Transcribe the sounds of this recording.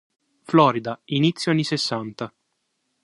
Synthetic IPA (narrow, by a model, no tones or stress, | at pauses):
flɔːɾid̪ainit̪sːjoaɲːisesːant̪a